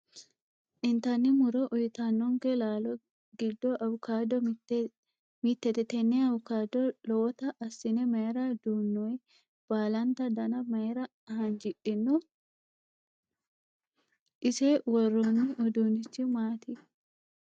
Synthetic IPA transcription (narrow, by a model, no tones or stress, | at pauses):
ʔɪnt̪ɐnːɪmʊɾɔʔʊjɪt̪anːɔŋkɛlaːlɔ | ɡɪd̪ːɔʔɐwʊkaːd̪ɔ | mit̪ːɛt̪ɛt̪ɛnːɛɐwʊkad̪ɔlɔwt̪ɐʔɐsːɪnɛmɐɾad̪uːnːɔj | b̥aːlɐnt̪ɐd̪ɐnɐmɐɾɐ | hɐnd͡ʒɪᶑɪnːɔ | ʔɪsewɔrːɔnːɪʔɔd̪unɪt͡ʃːɪmaːt̪ɪ